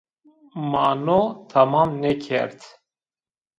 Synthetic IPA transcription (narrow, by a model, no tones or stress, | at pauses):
mɑnot̪ʰamɑːmnɛkʰɛ̰ɾt̪